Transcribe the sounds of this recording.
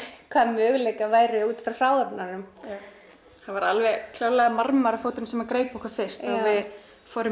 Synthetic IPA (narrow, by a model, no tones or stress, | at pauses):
kʰvaːðmœːɣlejkavaːjɾɪuːt̪fɾawfaːwðɛpnanʏm | θavaɾalvɛɣkʰl̥aːwlaɣamaɾmaɾafowt̪ɪnsɛmakɾeːjpɔhkʰvḁfɪ̥st̪aðvɪð | fɔːɾʏ